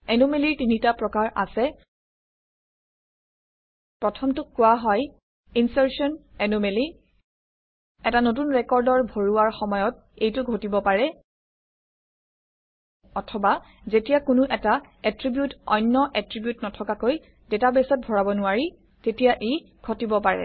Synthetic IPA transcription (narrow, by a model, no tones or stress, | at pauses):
ɛnomeliɹtinitapɹɔkaɹʔa̰sɛ | pɹɔtʰɔmtʊkːʊwaɦɔj | insɛɹsiɔnɛnomeli | ɛtanotunɹɛkɔɹdɔɹbʱoɹuaɹxɔmɔjɔt̚ | ejtʊɡʱotibɔpaɹɛ | ɔtʰɔba | zetijakʊnʊʔɛta | ɛtɹibjutɔ̰jnːɔʔɛtɹibjutnɔtʰɔkakoj | detabesɔt̚bʱɔɹabɔnʊaɹi | tetijaʔe | ɡʱotibɔpaɹɛ̰